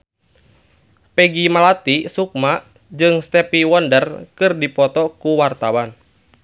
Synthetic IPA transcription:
pɛɡimalat̪isuk̚maʔ | d͡ʒɨŋst̪ɛpiwɔndərkɨrdipɔt̪ɔkuwart̪awan

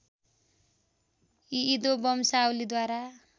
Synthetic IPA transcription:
iːd̪obʌmsawlid̪waɾa

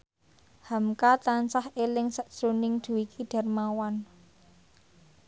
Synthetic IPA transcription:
hamkat̪ansahelɪŋsəʔsonɪŋd̪̥ṳwikʰiɖ̥a̤rmawan

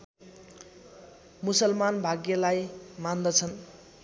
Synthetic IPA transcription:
musʌlmanbʱaɡjʌlajmand̪ʌt͡sʰʌn

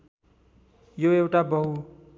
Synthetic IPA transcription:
joewʈabʌɦu

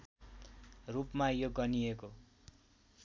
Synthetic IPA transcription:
rupmajoɡʌnieko

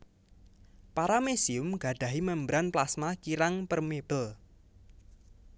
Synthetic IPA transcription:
paɾamesiʊmɡ̥ä̤ɖ̥ä̤ɦiməmbɾanplasmakiɾaŋpərmeb̥əl

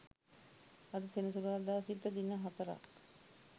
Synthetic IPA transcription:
ad̪əsenusuɾad̪aːsit̪ːəd̪inːəɦat̪əɾa̰k

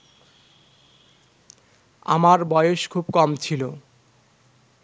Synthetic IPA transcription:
a̰maɾbɔeoʃkʰubkɔmt͡ɕʰilo

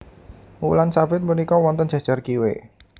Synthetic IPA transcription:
ulansafɪt̪̚mənikɔwɔnt̪ənd͡ʒ̥a̤̥ʒ̥a̤rkiwḛ

